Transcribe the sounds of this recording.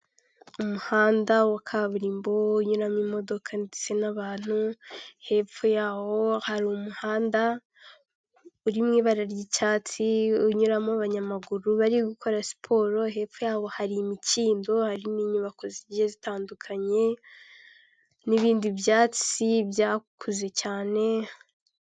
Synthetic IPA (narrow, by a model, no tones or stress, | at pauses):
umuhaːndawakʰaβuɾiːmbouɲuɾamimo̞do̞kʰanidi̥t͡senaβaːn̥huhe̞fujaːwo̞haɾiumuhaːnda | uɾimŋiːβaɾaɾjicaːt͡siuɲuɾamoβaɲamaɡuɾuβaɾiɡukʰo̞ɾasi̥pʰo̞ːɾo̞ɦe̞ːfujaːβo̞haɾimiciːndo̞haɾimiːɲuβakozijezitaːndukʰaɲe̞ | niβiːndiβjaːt͡sibjaːkʰuze̞caːne̞